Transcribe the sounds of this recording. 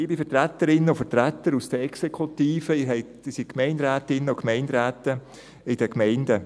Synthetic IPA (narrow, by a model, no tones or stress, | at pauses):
ɪːbifətɾæt̪ːəɾɪnːəʊfəɾtɾætːəɾusd̥əɛksekʰutiːfəɪɾɦɛɪ | ɪsitkʰmɛɪndɾæːtɪnːəʊkmɛɪndɾæːtə | ɪd̥əkmɛɪndə